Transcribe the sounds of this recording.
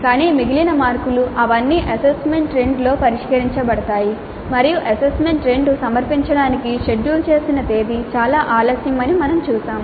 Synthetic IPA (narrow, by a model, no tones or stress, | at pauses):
kaːniːmiɡilinɐmaːɾkuluʔɐʋɐnːiʔɐsesme̞ɳʈɾe̞ɳɖlo̞ːpɐɾiʂkɐɾiɲt͡ʃɐbɐɽɐt̪aːji | mɐɾijuʔɐsesme̞ɳʈɾeːɳɖusɐmɐɾpiɲt͡ʃɐɽaːnikiʃe̞ɖːuːlt͡ʃe̞ːsinɐt̪e̞ːd̪it͡ʃaːlaːʔaːlɐsjɐmɐnimɐnɐmt͡ʃuːsaːm